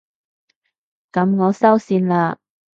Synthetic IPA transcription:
kɐ˨˥mŋɔː˨˧sɐ˥wsiː˧nlaː˧

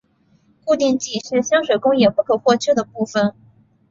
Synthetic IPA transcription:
ku˥˧t̪i˥˧ŋt͡ɕi˥˩ʂɻ̩˥˩ɕjɑ˥ŋʂwe˨˩ɪkʊ˥ŋjɛ˨˩pu˥˩kʰɤ˨˩xwɔ˥˧t͡ɕʰy˥˩d̪ə˩pu˥˩fə˩n

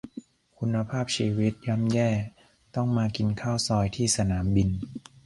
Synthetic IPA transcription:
kʰu˧nːa˧pʰaː˥˩p̚t͡ɕʰiː˧wi˦˥t̪̚ja˦˧˥mjɛː˥˩ | t̪ɔ˥˩ŋmaː˧ki˧nkʰaː˥˩wsɔː˧jt̪ʰiː˥˩sa˧naː˩˦mbi˧n

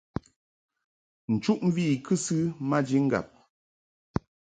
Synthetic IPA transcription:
n̩˨t͡ʃu˦ʔm̩˦viː˦˨kʰɨ˦sɨ˦ma˦d͡ʒi˦ŋ̩˦ɡa̰˨p̚

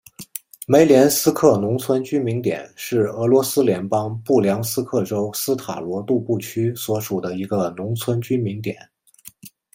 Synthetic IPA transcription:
me˧˥ɪljɛ˧˥nsɹ̩˥kʰɤ˥˩nʊ˧˥ŋt͡sʰwə˥nt͡ɕy˥nmi˧˥ŋt̪jɛ̰˨˩˦nʂɻ̩˥˩ɤ˧˥lwɔ˧˥sɹ̩˥ljɛ˧˥npɑ˥ŋpu˥˩ljɑ˧˥ŋsɹ̩˥kʰɤ˥˩ʈ͡ʂo˥ʊsɹ̩˥t̪ʰa̰˨˩lwɔ˧˥t̪u˥˧pu˥˩t͡ɕʰy˥swɔ˧˥ʂu˨˩d̪ə˦i˧˥ɡə˧nʊ˧˥ŋt͡sʰwə˥nt͡ɕy˥nmi˧˥ŋt̪̬jɛ̰˨˩˦n

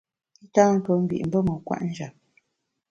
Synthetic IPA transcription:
i˦taː˦m̩˦pə˨m̩˦bḭ˨ʔm̩˦bə˦mə˨kwa̰˦ʔn̩˦d͡ʒa˨p̚

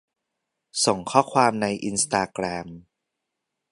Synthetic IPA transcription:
so˨˩˦ŋkʰɔː˥˩kʰwaː˧mna˧jʔi˧nst̪aː˧kɾɛː˧m

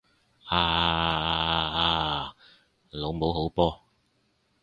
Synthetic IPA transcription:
aː˧˩˧a˧aː˧ | lo˨˧wmo˨˥wɦo˨˥wpɔː˥

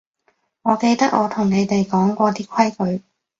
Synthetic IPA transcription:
ŋɔː˨˧ke˧jt̪ɐ˥k̚ʔɔː˨˧t̪ʰʊ˨˩ŋne˨˧jt̪e˨jkɔː˨˥ŋkʷɔː˧t̪iː˥kʷʰɐ˥jkɵ˨˧ɥ

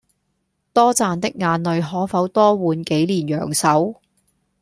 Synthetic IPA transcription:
t̪ɔː˥t͡saː˨˧nt̪ɪ˥k̚ŋaː˨˧nlɵ˨ɥɦɔː˨˥fɐ˨˥wt̪ɔː˥wuː˨˧nke˨˥jliː˨˩njœ̰ː˨˩ŋsɐ˨˥w

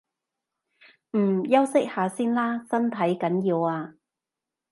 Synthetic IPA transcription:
m̩ː˨˩jɐ˥wsɪ˥k̚haː˨˧siː˥nlaː˥sɐ˥nt̪ʰɐ˨˥jkɐ˨˥njiː˧waː˧

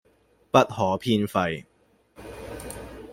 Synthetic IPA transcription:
pɐ˦˥t̚hɔː˨˥pʰiː˥nfɐ˧j

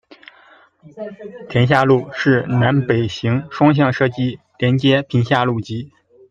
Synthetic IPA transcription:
t̪ʰjɛ˧˥nɕ̬ja˥˧lu˥˧ʂɻ̩˥˩na˧˥npe˨˩ɪɕi˧˥ŋʂwɑ˥ŋɕ̬jɑ˥˧ŋʂɤ˥˩t͡ɕi˥ | ljɛ˧˥nt͡ɕjɛ˥pʰi˧˥ŋɕja˥˧lu˥˩t͡ɕi˧˥

